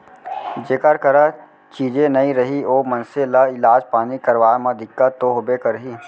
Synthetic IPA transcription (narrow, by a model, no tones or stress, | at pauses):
d͡ʒeːkəɾkəɾa | t͡ʃiːd͡ʒẽnɐĩɾɐɦioːmɐ̃nselaɪlaːd͡ʒpaːnikɐɾʋaːmãd̪ʱɪkːət̪oɦobekəɾɦiː